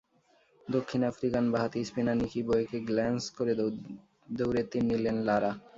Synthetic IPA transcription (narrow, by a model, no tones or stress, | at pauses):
d̪okʰːinafɾikanbaɦat̪ispinanikʰibɔekeɡlɛnskoɾe | d̪owɾet̪inːilenlaɾa